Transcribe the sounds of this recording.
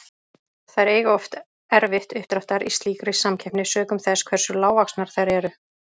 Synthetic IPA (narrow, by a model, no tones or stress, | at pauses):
θaðɛɾeːjɣɔft̪ | ɛɾvɪht̪ʏht̪ɾaht̪aɾist̪liːkɾɪsamcʰɛhpnɪsœːkʏmθɛskʰvɛɾ̥sʏlaːwvaksnaɾ̥θajɾɛɾʏ